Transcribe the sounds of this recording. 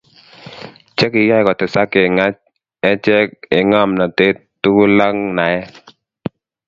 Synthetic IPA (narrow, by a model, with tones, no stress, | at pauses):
t͡ʃɛ˦kɪ˨jɔ˦˨kɔ˨tɪ˨sa˦ke˨ŋa˦t͡ʃ | ɛ˦t͡ʃɛ˦kɪ˨ŋa˦˨mna˨te˦t | tu˦ku˦la˦ŋna˨ɛ˦